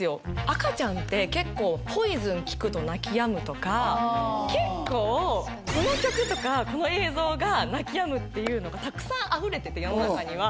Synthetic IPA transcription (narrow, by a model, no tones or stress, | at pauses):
ɨjo̞akat͡ɕãnt̪e̞ke̞kːo̞ːɸo̞izɨ̃ŋkʲi̥kɯ̟t̪onakʲijamɯ̟t̪o̞kake̞kːo̞ː | ko̞no̞kʲokɯ̟t̪o̞kako̞no̞e̞ːzo̞ːɡanakʲijamɯ̟t̪ːe̞jɯ̟ːno̞ɡat̪akɯ̟̥sãɰ̃ʔaɸɯ̟ɾe̞t̪e̞t̪e̞jo̞nonakaɲ̟iβ̞a